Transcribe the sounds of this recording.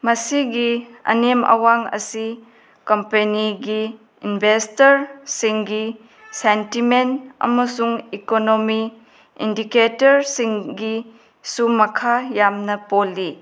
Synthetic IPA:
mɐsiɡiɐ̰nemɐ̰waŋɐ̰si | kɐmpeniɡi | inbʱestɐɾsiŋɡi | sentimenɐ̰mɐsuŋikonomi | ḭndiketɐɾsiŋɡi | sumɐkʰajamnɐpolːi

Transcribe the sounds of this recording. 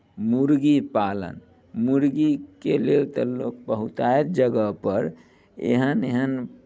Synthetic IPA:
muɾɡipalə̰n | muɾɡikelelt̪əlok̚bəɦut̪aet̪̚d͡ʒəɡəpəɾ | ḛɦəneɦən

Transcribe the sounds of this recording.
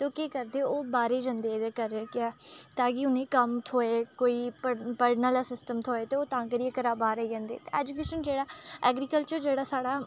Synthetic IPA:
t̪eoːkeːkəɾd̪eːoːbaːɾeːd͡ʒãːnd̪eːd̪eːkəɾekɪɛːt̪ãːkɪʊnẽːkəmt̪ʰoːeːkoːiːpəpəɾnəlasɪsʈəmt̪ʰoːeːt̪eːoːt̪ãːkəɾiekəɾaːbaːɾəiːd͡ʒãːnd̪ḛːt̪eːɛːd͡ʒʊkeːʃənd͡ʒeːɽaːɛːɡɾiːkəlt͡ʃəɾd͡ʒeːɽaːsaːɽaː

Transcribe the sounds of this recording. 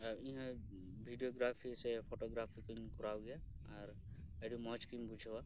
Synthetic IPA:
ĩɦã | bʱiɖijoɡɾapʰisepʰoʈoɡɾapʰikunkuɾawɡaaɾ | əɖumɔt͡ʃkimbud͡ʒʱwa

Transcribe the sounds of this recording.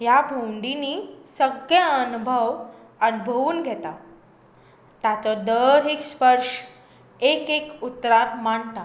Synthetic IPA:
jabʱoɳɖinisəɡjaənubʱəʋ | ənbʱəʋuːnɡʱɛt̪a | t̪jat͡sɔd̪əɾekspəɾʂ | ekekut̪ːɾat̪maɳt̪a

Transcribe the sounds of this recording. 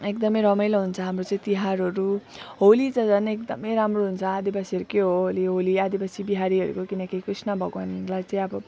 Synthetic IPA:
ekd̪ʌmʌjɾʌmʌjlʌɦunt͡sʰʌɦamrot͡saĩt̪iɦaɾɦʌɾu | ɦolit͡sʌd͡zʌneekd̪ʌmʌjɾamroɦunt͡sʰʌad̪ibasiʌɾukeɦoɦoliɦoliad̪ibasibiɦaɾiɦʌɾṵkokinʌkikrisnʌbʱʌɡanlajt͡saĩʌbʌ

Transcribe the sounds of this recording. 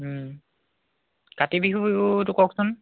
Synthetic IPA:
katibiɦutʊkɔksʊn

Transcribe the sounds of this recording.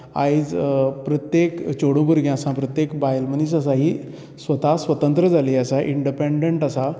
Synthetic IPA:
a̰jd͡zpɾət̪jekt͡ɕoɽõbuɾɡjãsãpɾət̪jekbajlmənisəsaɦiː | sʋət̪asʋət̪ənt̪ɾəd͡zaliəsaʔiɳɖipeɖeɳʈasa

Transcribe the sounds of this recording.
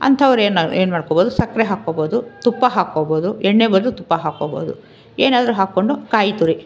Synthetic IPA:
ɐ̰nt̪ʰɐʋɐɾeːnaeːnmaːɖkoːboːd̪usɐkːɾeɦaːkoːboːd̪ut̪upːɐɦaːkoːboːd̪uɛɳːeːbɐɾd̪ut̪upːɐɦaːkoːbo̰ːd̪u | eːnaːd̪ɐɾuɦaːkːoɳɖukaːjit̪uɾi

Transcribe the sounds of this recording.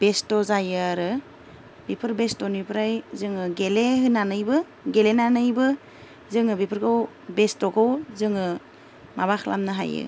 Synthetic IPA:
b̥estɔzajɯaɾɯ | bipʰɯɾbestɔnipʰɾajzɯŋɯɡeleɦɯnanɯjbɯ | ɡelenanɯjbɯ | zɯŋɯbipʰɯɾɡaw | bestɔɡawzɯŋɯ | mabaxʰlʔa̰mnɯɦa̰jɯ̰

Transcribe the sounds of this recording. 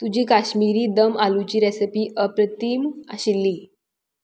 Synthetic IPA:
t̪ud͡ʑiːkaɕmiɾiːd̪əmalut͡ɕiːɾesepiːʔəpɾət̪iːma̰ɕilːiː

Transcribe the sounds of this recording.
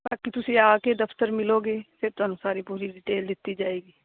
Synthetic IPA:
baːkit̪ʊseaːked̪ɐft̪əɾmɪloːɡeːsɪɾt̪oɐnʊsaːɾipuːɾiɖɪʈeːld̪ɪt̪ːid͡ʒaːeːɡiː

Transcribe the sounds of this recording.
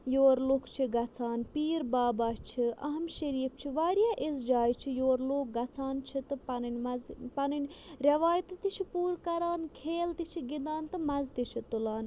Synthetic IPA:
joːɾloːkt͡ʃʰiɡɐt͡sʰaːnpiːɾbaːbaːt͡ʃʰiʔɐɦɐmʃɐɾiːpt͡ʃʰiʋaːɾjaːʔisd͡ʒaːjt͡ʃʰijoːɾloːk̚ɡɐt͡sʰaːnt͡ʃʰit̪ɨpɐnɐnʲmɐzpɐninʲɾʲɐʋaːjt̪ɨt̪it͡ʃʰipuːɾkɐɾaːnkʰeːlt̪it͡ʃʰiɡid̪aːnt̪ɨmɐzt̪it͡ʃʰit̪ulaːn

